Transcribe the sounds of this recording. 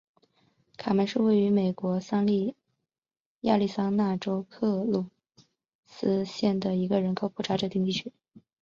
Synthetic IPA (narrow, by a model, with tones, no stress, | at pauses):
kʰa˨˩ma˧˥nʂɻ̩˥˧we˥˩ɪy˧˥me˨˩ɪkwɔ˧˥sɑ˥ŋli˥˩ | ja̰˥˧li˥˩sɑ˥ŋna˥˩ʈ͡ʂo˥ʊkʰɤ˥˩lu˨˩ | sɹ̩˥ɕjɛ˥˩nd̪ə˩i˧˥ɡə˧ɻə˧˥nkʰo˨˩ʊpʰu˥˩ʈ͡ʂʰa˧˥ʈ͡ʂɤ˧˩t̪i˥˧ŋt̪i˥˩y˥˩˥